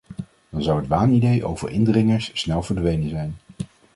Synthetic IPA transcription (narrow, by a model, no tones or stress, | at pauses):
d̥ɑnzɑwɦətʋaːnidejʔo̰wvə̰ɹʔɪ̰ndrɪŋəɹsːnɛlˠvəɹdʋejnənzɛjn